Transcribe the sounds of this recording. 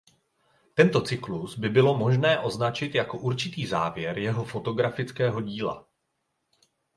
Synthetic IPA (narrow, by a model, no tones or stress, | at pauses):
t̪ɛnt̪o̞t͡sɪkluzbɪbɪlo̞mo̞ʒnɛːʔo̞znat͡ʃɪt̪jako̞ʔuɾt͡ʃɪt̪iːza̰ːvjɛɾjɛɦo̞fo̞t̪o̞ɡɾafɪt͡skɛːɦo̞ɟiːla̰